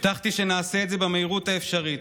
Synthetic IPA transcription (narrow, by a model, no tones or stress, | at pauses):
t̪aχt̪iʃe̞naːseeːtdze̞bameiʁut̪aefʃaʁit